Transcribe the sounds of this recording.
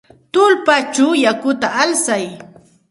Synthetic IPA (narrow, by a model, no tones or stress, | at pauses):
t̪ʊlpat͡ʃawjakʊt̪aalsaj